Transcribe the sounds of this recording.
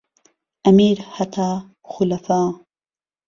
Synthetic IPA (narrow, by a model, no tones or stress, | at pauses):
ʔamiːɾhat̪ʰaː | xʊlafaː